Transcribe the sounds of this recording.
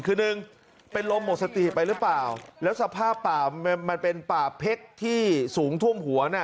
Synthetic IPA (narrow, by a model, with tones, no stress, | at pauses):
kʰɯː˧nɯ˨˧ŋ | pe˧nlo˧mːo˨˩t̪̚sa˧t̪i˨˩pa˧jɾɯ˦˥plaː˨˩wlɛː˦˥wsa˧pʰaː˥˩pːaː˨˩˧ma˧npe˧npaː˨˩pʰe˦˥k̚t̪ʰiː˥˩suː˩˦ŋt̪ʰu˥˩əmɦu˩˦ɐna˥˩